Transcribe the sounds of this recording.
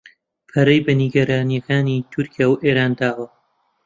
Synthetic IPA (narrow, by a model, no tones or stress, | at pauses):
pʰɐɾɐjbɐniɡɐɾaːnijɐkaːnit̪ʰʊɾkʰijaːwʔeːɾaːnd̪aːwɐ